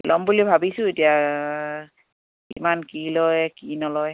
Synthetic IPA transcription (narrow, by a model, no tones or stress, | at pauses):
lʔɔmbulibʱabisʊ̃etija | ḭmankilɔjkinɔlɔj